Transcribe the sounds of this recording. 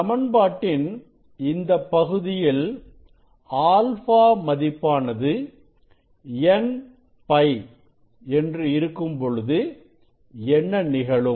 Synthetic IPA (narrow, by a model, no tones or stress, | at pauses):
ɐmɐnbaːʈːɪn | ɪnd̪ɐpːɐɣɯðɪjɪl | aːlfaːmɐðɪpːaːnɐðɯ | ɛn | pɐɪ | ɛndrɯɪɾɯkːɯmpɔɻɯðɯ | ɛnːɐnɪɣɐɭɯm